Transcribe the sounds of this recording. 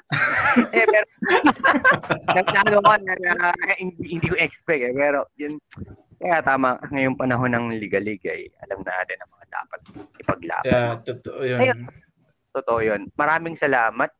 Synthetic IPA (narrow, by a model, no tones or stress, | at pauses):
ʔɛpɛːɾo | nɐɡnaːnokonɐahɪnd̪ihɪnd̪iːkoʔɪɛkspɛk̚ɛpɛːɾo̞jʊn | kɐjat̪aːmɐɐŋɐjoŋpɐnɐɦo̞nɐŋlɪɡɐlɪɡɐ̰jʔɐ̰lɐmna̰ːt̪ɪnɐŋmɐŋad̪a̰ːpɐt̪̚ʔɪpɐɡla̰ːpt̪ot̪oʔojɐjo | t̪ot̪oʔojonmɐɾaːmɪŋsɐlaːmɐt̪̚